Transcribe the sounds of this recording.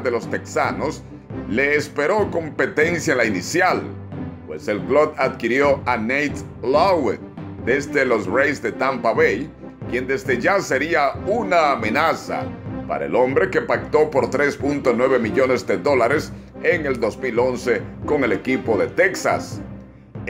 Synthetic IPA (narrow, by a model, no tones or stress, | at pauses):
ðe̞lo̞st̪eksano̞s | le̞ːspe̞ɾo̞ko̞mpe̞t̪e̞nsjaenlainisjalpwe̞se̞lklod̪ad̪kiɾjo̞anejt̪ | lawet̪̚d̪ezd̪elo̞srejsd̪e̞t̪ampaβej | kje̞nd̪e̞zðe̞ʝase̞ɾiaunaːme̞nasa̰pa̰ɾa̰ḛlo̞mbɾe̞ke̞pak̚t̪o̞po̞ɾt̪ɾe̞spunt̪onwe̞βe̞miʎo̞nezd̪e̞ðo̞laɾes | eŋe̞ld̪o̞zmilo̞nse̞ko̞ŋe̞le̞kipo̞ðe̞t̪eksa̰s